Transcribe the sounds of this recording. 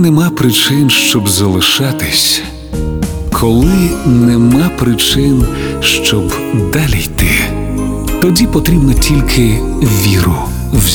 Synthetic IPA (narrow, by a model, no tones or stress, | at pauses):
nɛmɑpɾɪt͡ʃɪnʃt͡ʃɔbzɐlˠɪʃɑt̪ɪsʲ | kʰɔlˠɪnɛmɑpɾɪt͡ʃɪnʃt͡ʃɔb | d̪alʲijt̪ɪ | t̪ɔdʲipɔt̪ɾʲibnɔtʲilʲkʰɪ | ʋʲiɾʊ | wz